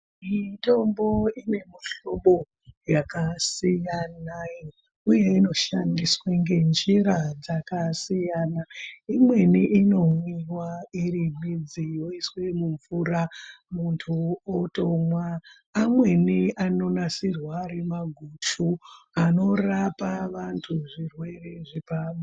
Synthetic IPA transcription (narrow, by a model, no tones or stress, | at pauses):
into̞mbo̞ine̞miɬoɓo̞ | jakasijana | uje̞ino̞ʃandiswaŋɡe̞nd͡ʒiɾad͡zakasijaːnaimwe̞niʔino̞mwiwaiɾimid͡zijo̞iswe̞muɱfuɾamuntʰuoto̞mwaː | mwe̞niʔano̞nasirwaɾe̞maɡʱut͡ʃu | ano̞rapaʋantʰuʐirwe̞re̞ʐipama